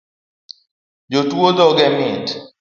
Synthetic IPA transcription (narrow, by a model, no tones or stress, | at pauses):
d͡ʒotwod̪ɔɡɛmɪt